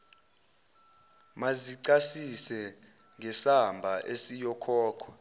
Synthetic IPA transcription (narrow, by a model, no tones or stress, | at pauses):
maziǀasisɛ | ŋʱɛsambʱaʔesijɔkʰɔːkʰɔ̥